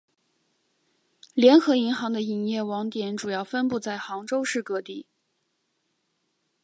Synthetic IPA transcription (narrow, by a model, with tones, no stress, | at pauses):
ljɛ˧˥nxɤ˧˥i˧˥ŋxɑ˧˥ŋd̪ə˧i˨˩njɛ˥˩wɑ˧˥ŋt̪jɛ˧˥nʈ͡ʂu˨˩jɑ˥˩ʊfə˥npu˥˧t͡sa˥˩ɪxɑ˧˥ŋʈ͡ʂo˥ʊʂɻ̩˥˩kɤ˧˥t̪i˥˩